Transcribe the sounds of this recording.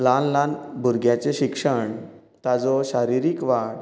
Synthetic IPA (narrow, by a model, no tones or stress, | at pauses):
lanlãnbʱuɾɡjat͡seɕikʂəɳ | t̪ad͡zɔɕaɾiɾikʋaɽ